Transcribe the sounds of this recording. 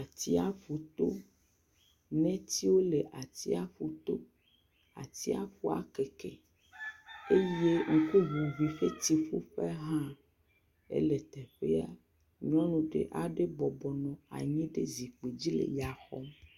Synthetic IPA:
a˨t̪i˦a˦fu˨t̪o˦ | nɛ̃˦t̪i˦wo˦le˨ʔa˨t̪i˦a˦ɸu˨t̪o˦ | a̰˨t̪i˦a̰˦ɸu˦a̰˨ke˨kɛ̰˨ | e˦je˦ŋ̩˦ku˦βu˨vi˨ɸe˦t̪i˦ɸu˦ɸe˦ɦã˦ | ḛ˦le˨t̪ɛ˨ɸḛ˦a˦ | ɲ˦ɔ̃˦nũ˨ɖḛ˨ʔa˨ɖe˦bɔ˨bɔ˨nɔ̃˨a̰˨ɲɛ̃˦ɖe˦zi˨k͡pe˨d͡ʑi˦lḛ˨ja˨xɔ̰˦m

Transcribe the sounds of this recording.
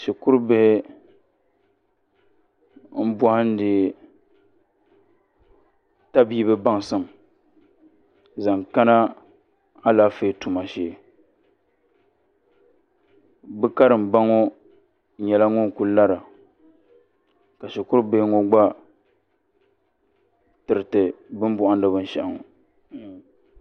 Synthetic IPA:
ʃɛ˨kʊ˦ɾbɪ˨hɪ˦ | m̩˦ba˦hɪ˦n̩˦dɪ˨ | ta˦biː˦bɨ˦ba˦ŋ˨sɨ˨m˨ | za˨ŋka˦na˦ | a˦laː˦fe˦˨tu˨ma˨ʃeː˦˨ | bɨ˦ka˦ɾɨ˨m˨ba˦ŋo˦ | ɲɛ˨la˦ŋʊ˦nku˦la˦ɾa˨ | ka˨ʃɪ˨kʊ˦ɾbe˦ŋo˦ɡ͡ba˦ | tɨ˨ɾɨ˨tɨ˨bɨ˦m˦bʊ˦ʔa˦ndɨ˦bɨ˦n˦ʃɛ˨ʔa˨ŋo̰˨

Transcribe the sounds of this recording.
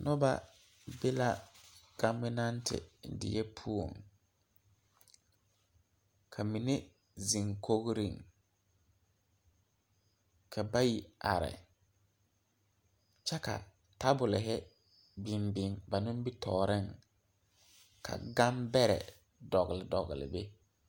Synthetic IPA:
nɔ˦ba˦ | be˦la˦ɡ̥a˦mɪ˦na˦ntɪ̰˨dɪ̰˨jɛ˦pʰu˦o˨ŋ | kʰa˨mi˨ne˦ | zi˨ŋko˦ɣɾi˦˨ŋ | kʰa˨ba˦ji˨ʔa˨ɾɪ̰˨ | t͡ʃɛ˦ka̰˨ | ta˦bʊ˨lɪ˨ɦɪ˦ | bɪ˨mbɪ˨ŋba˨nʊ̃˦m˦bi˦tʰɔː˨ɾɪ˦ŋ | kʰa̰˨ɡa˦mbɛ˦ɾɛ̰˨ | dɔ˨ɣɪ˨lɪ˨dɔ˨ɣɪ˨lɪ̰˨be˦

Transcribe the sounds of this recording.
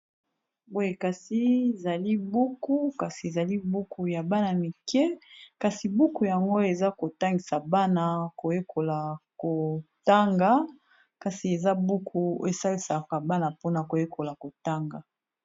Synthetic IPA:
bo˦e˨ka˨si˦e˨za˨li˦bu˦ku˦ka˨si˨e˨za˨li˦bu˦ku˨ja˨ba˦na˨mi˨kɛ˦ka˨si˨bu˦ku˨ja˨ŋɡo˦e˨za˦ko˨ta˦ŋɡi˨sa˨ba˦na˨ko˨je˦kʰo˨la˨ko˨ta˦ŋɡa˨ | ka˨si˨e˨za˦bu˦kʰu˦e˨sa˦li˨sa˨ka˨ba˦na˨po˦na˨ko˨je˦kʰo˨la˨ko˨ta˦ŋɡa˨

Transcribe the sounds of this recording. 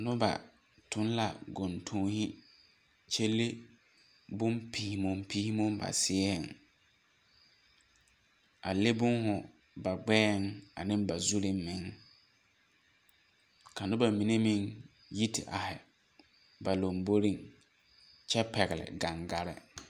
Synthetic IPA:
nʊ˦ba̰˨ | tʰʊ˨˦n˦la˨ɡo˨ntʰõ˨˦hi˦ | t͡ʃe˦le˦ | bʊ˦mpʰiː˨hi˨mʊ˨mpiː˦hi˦mʊ˦mba̰˨sɪ˦ɛ˦ɪ˨ŋ | a̰˨le˦bʊ˦nhʊ˨ | ba˨ɡ͡bɛː˦˨ŋa̰˨nɪ̃˦mba˨zu˦lɪ˦m˦mɪ˨ŋ˦ | ka˨nʊ˦ba˨mi˨ne˦mɪ̃˦ŋ | ji˦tɪ̰˨ʔa˨hɪ˨ | ba˨lo˨mbo˦ɾi˦˨ŋ | t͡ʃɛ˦pɛ˨ɣɪ˨lɪ̰˨ɡa˨ŋɡa˦ɾɪ̰˦

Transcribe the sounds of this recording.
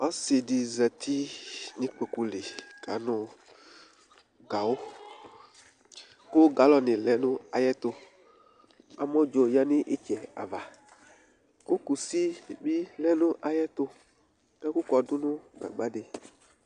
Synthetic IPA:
ɔ˦si˨di˨zɛ˨t̪ʰi˦nĩ˦k͡pe˨ku˨le˨ɡ̥a˨˦nʊ̃˦ | ɡa˨wo˦ | ko˦ɡa˨˦lɔ˨nɪ̃˨lɛ˦nʊ̃˦a˨jɛ˦t̪o˦ | a˨mɔ̃˦d͡ʒo˨ja˦nĩ˦ʔe˦t͡ʃɛ˨a̰˨va˨ | ko˦ku˨si˦bi˦lɛ˦nʊ̃˦ʔa˨jɛ˦t̪o˦ | e˦ku˦kɔ˨dʊ˦nũ˦ɡ͡ba̰˨ɡ͡ba˦ɖe˨

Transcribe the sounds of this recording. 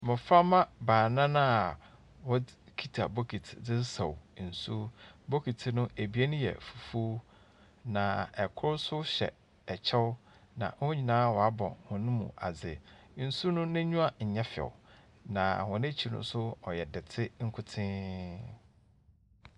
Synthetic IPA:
mɪ̃˨fa˦mã˦baː˨nã˦nã˦˨ | wɔ˦kʰi˦tʰa˨bo˦kʰi˨tʰdɪ˦sɔ˨wn̩˨su˦bo˦kʰi˨tʰɪ˨nʊ̃˦ʔe˨bi˨˦e˦nʊ̃˦jɛ̰˨fu˨fu˦ | nã˨ɛ˨kʰʊ˦ɾsʊ˦ɕɛ̰˨ | ɛ˨t͡ɕʰɛ˦ʊ˦ | nã̰˨hʊ̃˦ɲĩ˨nãː˦wɔ˨a˦bɔ̰̃˨hʊ̃˨nʊ̃˦mṵ̃˨ʔa̰˨d͡zɪ˨n̩˨su˦nʊ̃˦nɪ̃˦ɲũ˦a˦ɲ̩˨ɲɛ̃˦fɛ̰˨wʊ˨ | nã˨hʊ̃˨nɪ̃˦t͡ɕʰi˨nʊ̰̃˦sʊ˦ɔ˨jɛ˨dɪ˨tʰɪ˦ŋ̩˦kʰʊ˦tʰɪ̃˦

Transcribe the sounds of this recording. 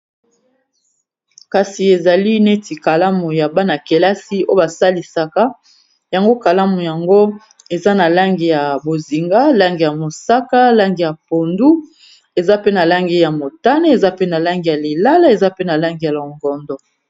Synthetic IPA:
ka˨si˨e˨za˨li˦ne˦ti˨ka˨la˦mu˨ja˨ba˦na˨ke˨la˦si˦o˦o˦ba˨sa˦li˨sa˨ka˦ | ja˨ŋɡo˦ka˨la˦mu˨ja˨ŋɡo˦ | e˨za˦na˨la˦ŋɡi˨ja˨bo˨zi˨ŋɡa˦la˦ŋɡi˨ja˨mo˨sa˦ka˦la˦ŋɡi˨ja˨po˨ndu˦ | e˨za˦pe˦na˨la˦ŋɡe˦ja˨mo˨ta˦ne˦e˨za˦pe˦na˨la˦ŋɡi˨ja˨le˨la˦la˦e˨za˦pe˦na˨la˦ŋɡi˨ja˨lo˨ŋɡɔ˨ndɔ˨

